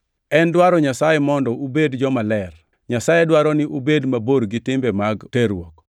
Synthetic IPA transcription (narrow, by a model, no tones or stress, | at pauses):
ɛndwaɾɔɲasajemɔndɔubedd͡ʒɔmalɛr | ɲasajedwaɾɔnɪʔubedmaboɾɡɪtɪmbɛmaɡteɾwɔk